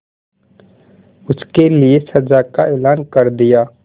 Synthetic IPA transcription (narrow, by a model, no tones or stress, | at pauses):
ʊskeliesɐd͡ʒakaeːlaːnkɐɾd̪ɪjaː